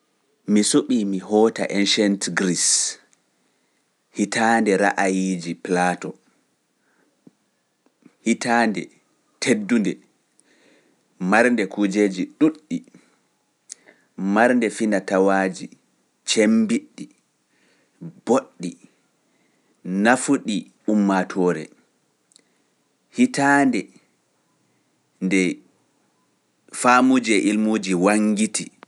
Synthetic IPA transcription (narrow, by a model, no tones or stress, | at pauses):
misuɓimiɦɔːta̰ʔenʃantɡɾis | hitandɛɾa̰ʔajid͡ʒiplaːtɔ | hitaːndɛ̰ | tʰedːundɛ | maɾndɛkud͡ʒeːd͡ʒiɗuɗːi | maɾndɛfinatawaːd͡ʒi | t͡ʃembiɗːi | b̥oɗːi | nafuɗi | umːatʰɔːɾɛ̰ | hitaːndɛ | ndɛ | faːmud͡ʒiɛʔilmud͡ʒiwaŋɡiti